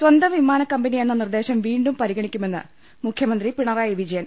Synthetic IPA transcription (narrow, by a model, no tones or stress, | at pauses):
swɐnd̪ɐmʋimaːnɐkːɐmbɐnijenːɐnird̪e̞ːɕɐmʋiːɳɖumpɐɾiɣɐɳikʲːume̞nːɨ̰ | mukʰjɐmɐnd̪ripiɳɐraːjiʋid͡ʑɐjɐn